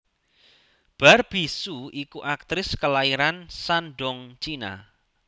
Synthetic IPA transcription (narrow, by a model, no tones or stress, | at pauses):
b̥a̤rb̥isuikuʔak̚t̪ɾɪskəlaiɾansanɖɔŋt͡ʃina̰